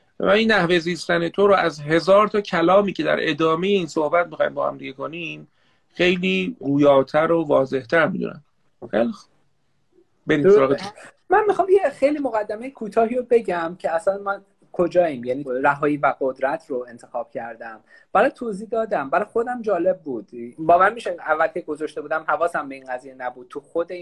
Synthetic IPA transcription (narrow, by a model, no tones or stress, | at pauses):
væ̰inːæhve̞ziːst̪ænet̪ʰoɾoæzɦe̞zɒːɾt̪ʰɒːcʰælɒːmiːcʰe̞d̪æ̰ɾʔe̞d̪ɒːme̞jeiːnso̞hbæt̪̚mixɒːjimbɒːhæ̰md̪iɟekʰo̞nim | xe̞jliːɡuːjɒːt̪ʰæɾovɒːze̞ht̪ʰæɾmid̪ṵnʔæ̰m | xḛjlix | beɾiːsoɾɒːɣet̪ʰ | mænmixɒːmjexejliːmo̞ɣæd̪ːæmejekʰuːt̪ʰɒːɦiːɾobe̞ɟæmcʰe̞æsænmæn | kʰod͡ʒɒːimjæniːɾæɦɒːjiːvæɡod̪ɾæt̪ʰroe̞nt̪ʰe̞xɒːb̥cʰæɾd̪æm | b̥æɾɒjt̪ʰoːziːd̪ɒːd̪æmbæɾɒjxo̞d̪æmd͡ʒɒːle̞b̚ːuːd̪̥bɒːvænmiːʃeævːælcʰeɡo̞zɒʃt̪e̞buːd̪æmhævɒːsæmbe̞inɡæzijenæbuːd̪̥̚tʰuxod̪e